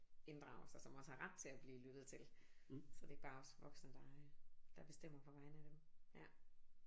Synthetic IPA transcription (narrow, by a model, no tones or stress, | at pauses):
e̝nd̥ʁɑ̈ʊɐsɑ̈sɒ̽mɒ̽shɑ̈ʁäd̥̚t͡sʰe̝læb̥liːlyd̥ð̩ˠt͡sʰe̝lsɒ̽d̥e̝æɡ̚b̥ɑ̈ːɒ̽sʋɒ̽ɡ̥snəd̥ɑ̈d̥ɑ̈b̥e̝sd̥em̰ɐpʰɒ̽ʋɑ̈ɪnəæd̥emjæ